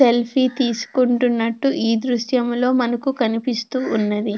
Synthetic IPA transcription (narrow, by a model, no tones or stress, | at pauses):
elpʰiːt̪iːsu̥kuɳʈunːɐʈːuʔiːd̪ɾuʃjɐmlo̞ːmɐnɐkukɐnipist̪uːunːɐd̪i